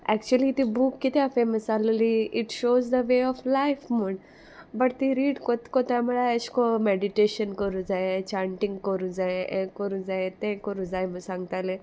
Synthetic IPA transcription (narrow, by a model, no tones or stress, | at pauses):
ɛk̚t͡ʃuəlit̪ibukːit̪eafẽməsaləliʔɪʈʃoːzd̪əʋeːɔflajfmuɳɖ | bɐʈt̪iɾiːɖkot̪kot̪amɐɭaʃkomɛɖiʈeʃənkɔɾud͡zaet͡ʃãɳʈĩŋɡkɔɾud͡zaeʔẽkɔɾud͡zaet̪ẽkɔɾud͡zaeməsãŋɡt̪ale